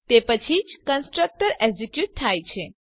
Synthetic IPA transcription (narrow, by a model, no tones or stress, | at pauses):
t̪epət͡ʃʰid͡ʒkənsʈɾək̚ʈəɾezekjut̚t̪ʰːajt͡ʃʰe